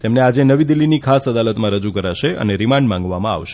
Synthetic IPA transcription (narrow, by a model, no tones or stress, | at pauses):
t̪emnead͡ʒenəʋid̪ilːinikʰasəd̪alət̪mãɾəd͡ʒukəɾaʃeʔə̰neɾɪmaɳɖmãŋɡʋamãa̰ʋʃe̥